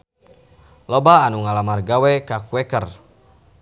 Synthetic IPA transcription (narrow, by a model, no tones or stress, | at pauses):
lɔbaːnuŋalamarɡawɛkakuɛkər